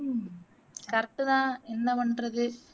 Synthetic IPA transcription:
kɐɾʈ̪ːɯðãːɛnːɐʋɐɳrɐðɯ

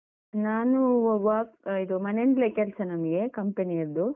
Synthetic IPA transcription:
naːnuʋɐid̪umɐneɳɖlekɛlsɐnɐmɐɡe̞kɐmpeniɐɾd̪u

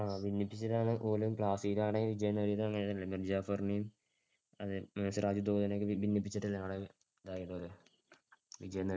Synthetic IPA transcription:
aːʋinːipːit͡ɕːiʈːaːɳɨʔoːlumpɭaːsiːɾaːɳeɡiʋid͡ʑɐjɐnːɐɾijɐðɨɐŋːɐneðɐlːɐmird͡ʑaːfɐrɳijum | ɐðɨmɐnɐsraːd͡ʑud̪oːd̪ɐnokːɨbinːipːit͡ɕːiʈːɐlːɐʋɽe | ðaːjiʈːoɾu | ʋid͡ʑɐjɐnːɐɐ

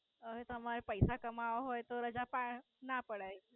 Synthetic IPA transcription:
əɦet̪əmaɾepəjsakəmaʋɦojt̪oɾəd͡zapaɳ | napəɽaj

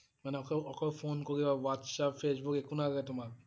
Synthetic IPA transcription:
manɛɔkɔɔkʰɔpʰonkoɹibawatsapfʰes̬bukekʰunakaɡɛtʊmak

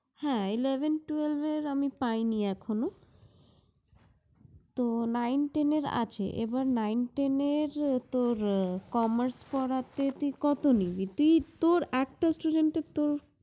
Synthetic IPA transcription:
hɛ̃ilebʱenʈuelveɾamipajniɛkʰono | t̪onajnʈeneɾa̰t͡ɕʰḛʔḛbaɾnajnʈeneɾt̪oɾkɔmaɾspɔɽat̪et̪uikɔt̪onibit̪uit̪oɾɛk̚ʈasʈuɖeɳʈet̪oɾ

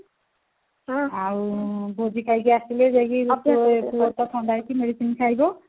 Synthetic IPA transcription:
aɹubozikʰajɡɛasilɛzaɡipkuwɔtɔtʰɔndajkimedisinkʰaɦjbɔ

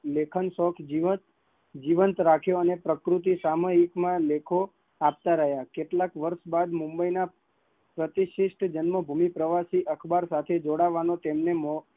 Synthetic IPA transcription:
lekʰənsɔkʰiə | d͡ʒiʋənt̪ɾakʰjoənepɾəkɾut̪̬isaməɦikmãlekʰo | ap̚t̪aɾəɦjakeʈlakʋəɾʃbad̪mũmbəina | pɾət̪iʃiʃʈʰd͡ʒənməbʱumipɾəʋasiʔəkʰbaɾsat̪ʰed͡ʒoɽaʋanot̪emnemɔ

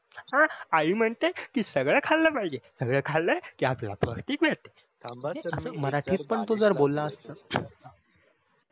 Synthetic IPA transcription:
hãaɦiːm̤əɳt̪ekiːsəɡɭəkʰalːəːpaid͡ʑesəɡɭəkʰalːəkiːaplala̰pɾəkʰʈiːkʋeɭt̪e̥ | eəsəːməɾaʈʰiːt̪̚pəɳt̪od͡zəɾbolːaəst̪əː

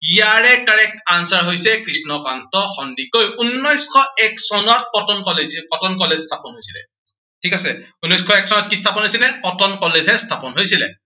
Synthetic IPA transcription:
ijaɹɛkaɹɛk̚ʰansaɹɦojsɛkɹisnɔkantɔxɔndikojunːɔjskʰɔɛksɔnɔtpɔtɔnkɔlezikɔtɔnkɔlezstʰapɔnɦojsilɛ̰ | tʰikasɛunːɔjskʰɔɛksɔnɔtkistʰapɔnɦojsilɛkɔtɔnkɔlezɛstʰapɔnɦojsilɛ̰

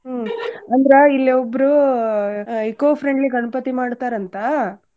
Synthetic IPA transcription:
ɐnd̪ɾɐilːiobːɾu | ekoːpʰɾeɳɖliɡɐɳɐpɐt̪imaːɽt̪aːɾɐnt̪ɐ

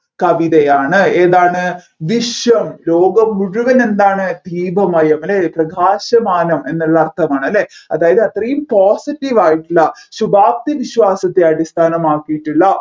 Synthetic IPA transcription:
kɐʋiðɐjaːɳɨeːðaːɳɨ | ʋiʂjɐmloːɡɐmːuɻuʋɐne̞nd̪aːɳɨd̪ʱiːbʱɐmɐjɐmɐleprɐɡʱaːɕɐmaːnɐme̞nːuːɐɐrt̪ʰɐmaːɳɐlːeɐðaːjɐðɨɐt̪rɐjumpoːsitːiʋaːjiʈːilːɐɕubʱaːp̚t̪iʋiɕʋaːsɐt̪ːeɐɽist̪ʰaːnɐmaːkːijiʈːiɭːɐ

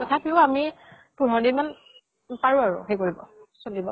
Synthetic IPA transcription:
kɔtʰapiʊami | puɦɔɹditman | paɹuaɹʊ̰xejkoɹibɔsolibɔ

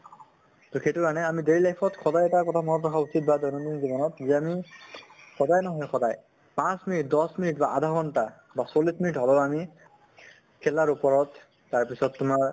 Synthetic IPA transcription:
tɔxetukanɛamideɹilajpʰɔtkʰɔdajɛtaɹkɔtʰamɔnɔtʰɔkʰausit̚badɔjnɔminzibɔnɔtzɛami | xʰɔdajnɔɦɔjxʰɔdaj | pãsminit̚dɔsminitbaʔadʱaɦɔnta | basolisminitɦɔlɔami | kʰɛlaɹupɔɹɔtː | aɹpisɔtːʊmaɹ

